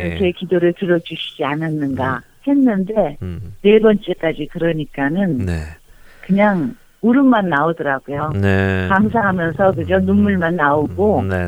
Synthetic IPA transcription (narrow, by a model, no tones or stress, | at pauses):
ɾʌkʰe̞kidoɾɯɭtɯɾʌd͡ʑuɕʰid͡ʑiananːɯnɡa | he̞nːɯnde̞ne̞bʌnt͡ɕ͈e̞k͈ad͡ʑikɯɾʌɲik͈anɯnnekɯɲaŋ | uɾɯmmanːaodʌɾaɡujonekaŋs̬ʰaɦamjʌnsʰʌk̬ɯd͡ʑonunmːuɭmanːaoɡo